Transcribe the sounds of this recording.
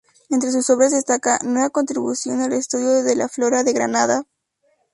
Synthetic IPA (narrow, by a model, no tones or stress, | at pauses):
e̞nt̪ɾe̞suso̞βɾazðe̞st̪akanweβako̞nt̪ɾiβusjo̞nalest̪uðjo̞ðe̞laflo̞ɾaðe̞ɣɾa̰naða